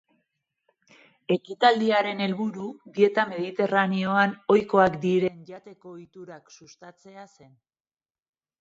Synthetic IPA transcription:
e̞kit̪ald̪iaɾe̞ne̞lβuɾudie̞t̪ame̞ðit̪e̞ranio̞ano̞jko̞akd̪iɾe̞nʝat̪e̞ko̞it̪uɾaksust̪at͡se̞ase̞n

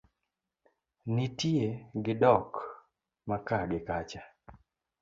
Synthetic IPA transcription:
nitieɡɪdɔk | makaɡɪkat͡ʃa

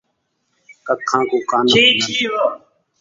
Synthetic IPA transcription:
kəkʰːãːkuːkaːniːiːo

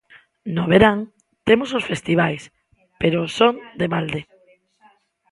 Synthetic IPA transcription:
noβeɾaŋ | t̪emososfest̪iβajs | peɾosond̪eβald̪e

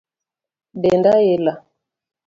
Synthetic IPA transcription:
bɛndajɛla

